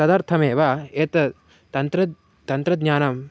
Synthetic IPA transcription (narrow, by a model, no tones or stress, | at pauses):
ɐd̪ɐɾt̪ʰɐmeːʋaeːt̪ɐ | t̪ɐnt̪ɾɐ | t̪ɐnt̪ɾɐd̪ɲaːnɐm